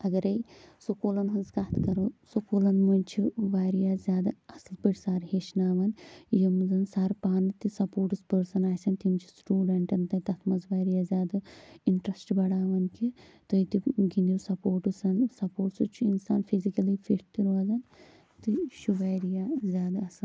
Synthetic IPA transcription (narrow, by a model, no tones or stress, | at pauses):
ɐɡɐɾɐjsokoːlɐnɦɐnzkaːt̪ʰkɐɾoːsokoːlɐnmɐnʲt͡ʃʰiʋaːɾijaːzʲjaːd̪ɐɐslpəʈʲsaːɾɦeːʃnaːʋɐnjimzɐnsaːɾpaːnɨt̪isɐpoːʈɨspɐɾsɐnaːjsʲɐnt̪imt͡ʃʰi̥sʈuːɖɐɳʈɐnt̪ɐt̪ɐt̪ʰmɐzʋaːɾijaːzʲjaːd̪ɐiɳʈɾɐsʈbɐɽaːʋɐnkʰi | t̪ɐjt̪iɡind̪ʲusɐpoːɾʈɨsɐnsɐpoːɾʈsut͡ʃʰuinsaːnfʰizikɐlifʰiʈʰt̪iɾuɐzɐn | t̪ɨʃuʋaːɾijaːzʲjaːd̪aɐsɐ